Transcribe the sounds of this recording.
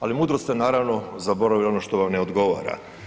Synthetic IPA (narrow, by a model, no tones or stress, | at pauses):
alimuːd̪ɾost̪enaːɾaʋno̞zabo̞ɾaʋilo̞noʃt̪oʋamneod̪ɡo̞ʋa̰ːɾa̰